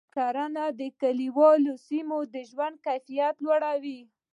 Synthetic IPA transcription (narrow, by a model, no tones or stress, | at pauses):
kaɾanad̪əkaliwɑlosimod̪əʒwand̪̚kajfijat̪lwaɽawi